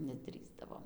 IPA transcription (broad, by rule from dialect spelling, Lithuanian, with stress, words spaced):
nʲɛˈdʲrʲiːzdɐʋoːm